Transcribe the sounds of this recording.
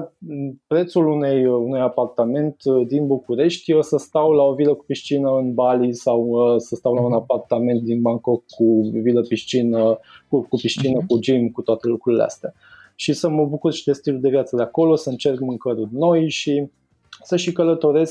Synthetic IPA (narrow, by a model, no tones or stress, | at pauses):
pɾet̪sulunejunujapart̪ame̞nt̪d̪inbukuɾe̞ʃt̪ʲosəst̪awlaoviləku̥piʃt͡ʃinəɨnbalisawəsəst̪awlaunapart̪ame̞nt̪̚d̪inbaŋkokːuviləpiʃt͡ʃinəkukupiʃt͡ʃinəkud͡ʒimkut̪oat̪e̞lukɾuɾilḛa̰st̪ea | ʃisəməbukurʃi̥d̪e̞st̪iluld̪e̞vjat̪səd̪eako̞lo̞səɨnt͡ʃe̞rkmɨŋkəɾurno̞jʃi | səʃikələt̪o̞ɾe̞sk